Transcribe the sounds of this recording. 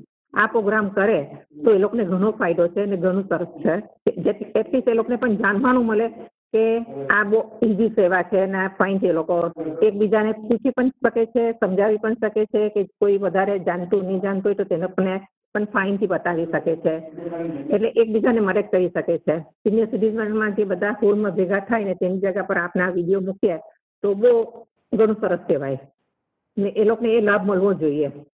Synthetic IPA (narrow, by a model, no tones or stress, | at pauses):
apɾoɡɾamkəɾet̪oelokoneɡʱəɽ̃ofʰaiɖot͡ʃʰeneɡʱəɽ̃ũsəɾəst͡ʃʰed͡ʒeeʈliselokonepəɳd͡ʒanʋaɽ̃ũməle | keaboiziseʋat͡ʃʰenafʰaint̪ʰielokoek̚bid͡ʒaneput͡ʃʰipəɳʃəket͡ʃʰesəmd͡ʒaʋipəɳʃəket͡ʃʰekekoiʋəd̪ʱaɾed͡ʒant̪unid͡ʒãnt̪uɦojt̪ot̪enekne | pəɳfʰaint̪ʰibət̪aʋiʃəket͡ʃʰe | eʈleʔek̚bid͡ʒaneməɾek̚kəɾiʃəket͡ʃʰesiniəsiɾid͡ʒmanmãd͡ʒebəd̪ʱafolmãbʱeɡʱat̪ʰajnet̪enid͡ʒaɡapəɾapnaʋiɽijomukje | t̪obo | ɡʱəɽ̃õsəɾəskeʋaj | neʔelokoneːlabʱməlʋõd͡ʒoie